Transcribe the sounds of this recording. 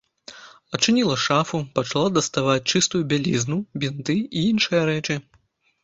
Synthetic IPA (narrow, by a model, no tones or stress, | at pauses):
ɐt͡ʂɨnʲilˠɐʂafupɐt͡ʂalˠad̪ɐst̪avat͡sʲt͡ʂɨst̪ujubʲalʲiznubʲint̪ɨiinʂɨjɐɾɛt͡ʂɨ